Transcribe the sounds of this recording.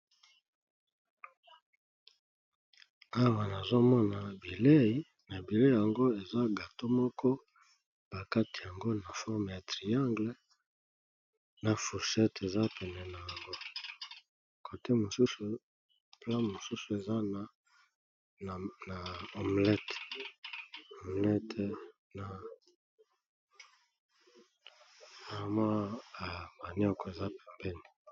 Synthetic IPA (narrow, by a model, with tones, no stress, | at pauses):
a˦wa˨na˨zo˦mɔ˦na˨bi˨le˦i˦ | na˨bi˨le˦˨ja˨ŋɡo˦e˨za˦ɡa˨to˦mɔ˦kʰɔ˦ | b̥a˨ka˦ti˨ja˨ŋɡo˦na˨fɔ˦ʁm˨ja˨tʁi˨ã˦ŋɡle˦ | na˨fu˨ʁsɛ˦te˨za˦pɛ˨nɛ˨na˨ja˨ŋɡo˦ | ko˨te˦mo˨su˦su˨ | plã˦mo˨su˦su˨e˨za˦na˨ | na˨ɔ˨mlɛ˦t | o˨mlɛ˦t | na˨ | na˨mwa˦a˨ma˨nɔ˦kɔ˨e˨za˦pe˨mbɛ˦ni˨